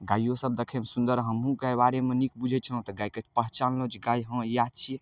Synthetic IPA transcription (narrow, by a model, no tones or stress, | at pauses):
ɡajːosəb̚d̪ekʰɛmesund̪əɾɦəmɦũkabaɾemenik̚bud͡ʒʱɛt͡ʃʰələɦt̪ɔɡajkət͡ʃʰpəɦt͡ʃanlõt͡ʃʰiɡajɦə̃jat͡ʃʰi